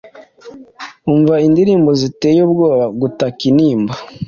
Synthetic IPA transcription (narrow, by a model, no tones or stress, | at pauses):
uɱvaindiɾiːmbozite̞ːjob̚ɡo̞ːβaɡutakiniːmba